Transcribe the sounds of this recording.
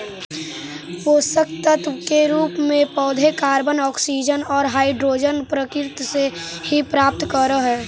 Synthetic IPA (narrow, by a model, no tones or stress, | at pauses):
poːsək̚t̪ət̪keɾuːpmẽpɔːd̪ʱekaːɾbənɔːksid͡ʒənɔːɾɦaːiɖɾoːd͡ʒənpɾəkɪɾt̪sehipɾaːp̚t̪kəɾəɦɛː